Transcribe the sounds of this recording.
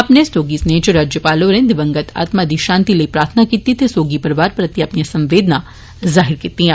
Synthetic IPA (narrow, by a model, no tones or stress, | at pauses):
ɐpnesoːɡisneːd͡ʒəɾaːd͡ʒjəpaːloːɾẽːnd̪ɪʋɐ̃ŋɡət̪ʰa̰ːt̪mad̪iʃãːnt̪ileipɾaːɾt̪ʰnakiːt̪it̪ʰesoːɡipɐɾʋaːɾpɾɐt̪iɐpnijasɐ̃mʋeːd̪na | zaːɦɪɾkit̪iɦɛ̃ː